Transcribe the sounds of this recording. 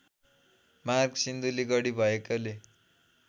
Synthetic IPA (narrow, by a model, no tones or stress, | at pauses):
marɡsind̪uliɡʌɽibʱʌekale